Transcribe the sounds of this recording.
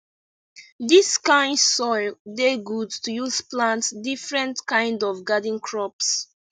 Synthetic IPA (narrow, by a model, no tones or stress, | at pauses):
diskãɪ̃ndsɔɪldeɡudtujuz̥plãntsdifɹɛ̃ntkãɪ̃ndɔvɡadĩŋkʰɹɔps